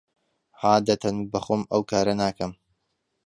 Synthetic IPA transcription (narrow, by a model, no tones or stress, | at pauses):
haːd̪ɐt̪ʰɐnbɐxoːmɐwkaːɾɐnaːkɐm